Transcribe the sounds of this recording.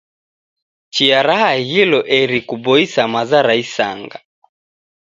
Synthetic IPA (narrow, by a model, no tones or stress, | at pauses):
t͡ʃiaɾahahilɔʔɛɾikubɔisamazaɾaisa̰ŋɡa